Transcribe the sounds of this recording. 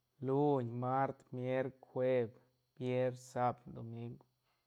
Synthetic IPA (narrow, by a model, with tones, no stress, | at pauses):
lu˦ɲma˦ɾt̪mje˦ɾkwʷe˦b | b̥je˦ɾsa˧bd̪o˨mi˦ŋɡ